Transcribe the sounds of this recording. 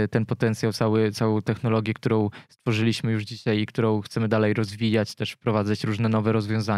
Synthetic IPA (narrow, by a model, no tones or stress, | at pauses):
t̪ɛnpɔt̪ɛnt̪sʲjawt̪sawɘt̪sawɔ̃w̃t̪ɛxnɔlɔɡʲjɛkt̪uɾɔ̃w̃st̪fɔʐɘlʲiɕmɘjuʐd͡ʑiɕajikt̪uɾɔ̃w̃xt̪sɛmɘd̪alɛjɾɔzvʲijat͡ɕt̪ɛʂfpɾɔvad̪zat͡ɕɾuʐnɛnɔvɛɾɔzvʲjɔ̃w̃za